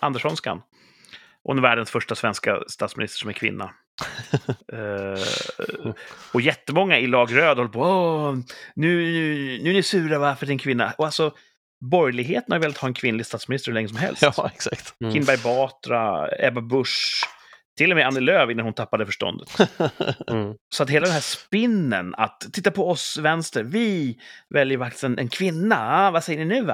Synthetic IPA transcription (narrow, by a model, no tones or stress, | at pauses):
ʔand̪ɛʂɔnska̰n | ʔɔ̰ɛnvæːɖənsfœʂʈasvɛnska̰st̪ɑːt̪smɪnɪst̪əɾʂɔmɛkʰvɪ̰nːa̰ | ɔjɛt̪ːəmɔŋːaɪlɑːɡɾøːd̪ɔhɔlːəpʰoːɔ | nʉ̟nʉnʉnɛʂʉ̟ːɾavaɾfœɖɪnkʰvɪnːa̰ʔɔalsɔ | bɔɾjlɪɡɦeːt̪ənhajɾveːlat̪hɑːɛnkʰvɪnlɪɡst̪ɑːt̪smɪnɪst̪əɾhʉlɛŋːəsɔmɦɛ̰lsɛksakt̪kʰɪnbæɾjbɑːt̪ɾa̰ɛbabɵʂ | t̪ʰɪlːɔmɛanːəløːvɪnːanhʊnt̪ʰapːad̪əfœʂʈɔ̰nd̪ə̰t̪ | sɔat̪heːlad̪ɛnɦæːʂpɪnːə̰na̰t̪ʰːɪt̪ːapʰɔɔsvɛnst̪əɾvɪvɛljəɾfak̚t̪ɪ̥st̪ɛnʔɛ̰nkʰvɪnːavasɛjːəɳɪnʉ̟ːa